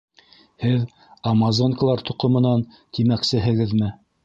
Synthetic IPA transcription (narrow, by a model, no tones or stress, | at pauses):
hɘð | ɑmɑzoŋkalˠɑɾt̪ŭqɤ̆mɤ̆nɑn | t̪ʰimæksɘɦɘ̆ɡɘðmɘ